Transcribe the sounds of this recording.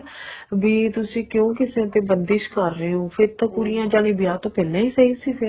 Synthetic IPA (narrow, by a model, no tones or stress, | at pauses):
biːt̪ʊsĩːkjõːkɪsẽːt̪eːbənd̪ɪʃkəɾːəɦeːɦõːpʰɪɾt̪ãːkʊɾijãːd͡ʒaːɽĩːbɪjaːt̪õːpɛːlːãːiːsəiːsiːse